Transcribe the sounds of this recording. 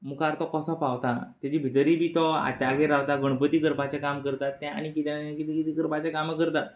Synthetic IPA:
mukaɾt̪ɔkəsɔpawt̪at̪ad͡ʑibʱit̪əɾiːbʱiːt̪ɔa̰t͡ɕaɡeɾawt̪aɡəɽ̃pət̪iɡəɾpat͡ɕakamkəɾt̪at̪ːɛ̃a̰ɽ̃ikit̪ɛnanekit̪ikit̪iɡəɾpat͡ɕekaməkəɾt̪at̪

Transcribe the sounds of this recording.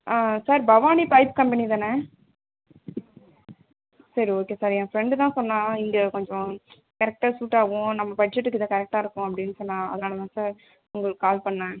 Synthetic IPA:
aːsaːɾbɐʋaːnipɐɪpkɐmpɛnit̪aːnɐ | sɐɾioːkeːsaːɾɛ̃ːfɾɛɳɖt̪ãːsɔnːãːɪŋɡɐkɔɲd͡ʒɔ̃ | kɐɾɛk̚ʈaːsuːʈːaːʋʊ̃nɐmːɐbɐd͡ʒɛʈːɯkːɪðɐ̃ːkɐɾɛk̚ʈaːɪɾɯkːʊ̃ɐpːɐɽɪnːɯsɔnːãːɐ̰ðɯnaːɭɐt̪ãːsaːɾ | ʊŋɡɐɭkːaːlpɐɳːãː

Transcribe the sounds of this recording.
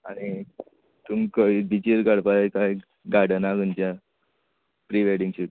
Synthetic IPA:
aɽ̃i | t̪umkəid̪it͡ɕiɾkaɽpaekaj | ɡaɽənaɡənt͡ɕja | pɾiʋeɽiŋɕuʈ

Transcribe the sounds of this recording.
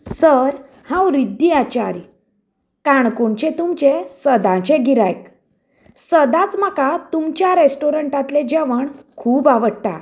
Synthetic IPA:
səɾ | hãwɾid̪ːiat͡ɕaɾj | kaɳkoɳt͡ɕet̪umt͡ɕesəd̪ãt͡ɕeɡiɾajk | səd̪at͡sm̤akat̪umt͡ɕjaɾesʈoɾəɳʈãt̪led͡ʑeʋəɳkʰuːbaʋəɽt̪a̰

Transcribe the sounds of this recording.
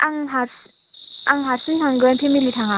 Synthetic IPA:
ʔaŋɦaɾs | aŋɦaɾsɯntʰaŋɡɯnpʰemilitʰaŋa

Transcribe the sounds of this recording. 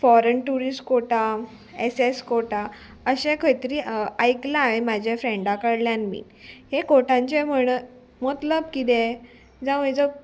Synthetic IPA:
fɔɾənʈuɾisʈkoʈa | eseskoʈa | əɕẽkʰəjt̪əɾiːajklaẽmad͡ʑʱefɾẽɳɖakəɽljãnmḭːnhekoʈãɲt͡ɕem̤əɽ̃ə | mət̪ləbkid̪ẽ | d͡zaʋəjd͡zə

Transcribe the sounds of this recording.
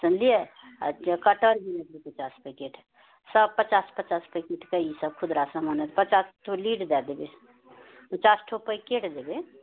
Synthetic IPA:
sənlie | kɐʈəɾbinet̪bipɐt͡ʃaːspəkeːʈʰ | səbpət͡ʃaːspət͡ʃaːspəkeʈʰkɐisəb̚kʰʊd̪ɾaːsəmənɛt̪pət͡ʃaːsʈʰoliːʈd̪ɛd̪ebe | pət͡ʃaːsʈʰopəikeːʈʰd̪ebe

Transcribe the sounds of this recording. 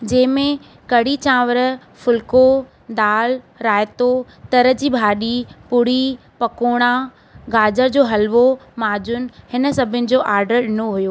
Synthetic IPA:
d͡ʑɐ̃ːɪ̃mẽ | kɐɽit͡ɕãːʋəɾ | fʊlko | d̪aːl | ɾaːjt̪o | t̪ɐɾəd͡ʑiːbʱaːɗipʊɽi | pɐkoːɽ̃a | ɡaːd͡ʑəɾd͡ʑoːɦɐlʋomaːd͡ʑʊn̆hɪnə̆sɐbʱɪʊnɪ̆d͡ʑoːʔaːɾɖəɾɗɪnoɦujoː

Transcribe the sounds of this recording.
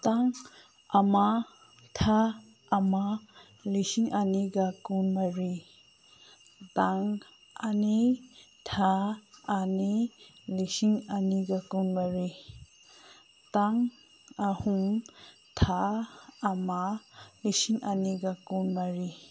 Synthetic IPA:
taŋ | ama | tʰaː | ma | lisiŋaniɡakunmaɾi | taŋ | anitʰaː | nilisiŋaniɡakunmaɾi | taŋ | ahuŋ | tʰaː | malisiŋaniɡakunmaɾi

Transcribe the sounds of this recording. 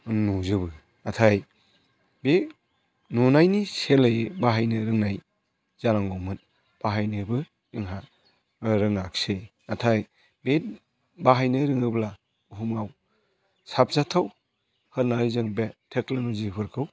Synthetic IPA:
nuzɯbɯ | atʰaj | be | nunajniselɯjbaɦajnɯɾɯŋnaj | z̥anaŋɡɔmɯn | b̥aɦajnɯbɯ | ɯŋɦa | ɾɯŋnakse | atʰaj | bet̚ | baɦajnɯɾɯŋɯbla | uɦumŋaw | sap̚zatʰaw | hɯɾnaɾɯzɯŋbetʰeklanuzipʰɯɾkʰɯw

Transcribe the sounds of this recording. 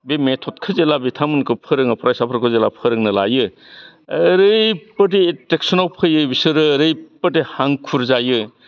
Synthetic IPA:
bemetʰɔt̚kʰɯzelabitʰamɯnkʰɯpʰɯɾɯŋɯpʰɾajsapʰɐɾkʰɯzelapʰɯɾɯŋnɯla̰jɯ | ɾɯjpɯd̬iːtek̚sɔnawpʰɯjɯbisɯɾɯɾɯjpədihaŋkʰuɾzajɯ

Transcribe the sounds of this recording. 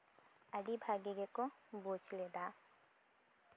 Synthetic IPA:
aɖibʱaɡeɡekobod͡ʒled̪a

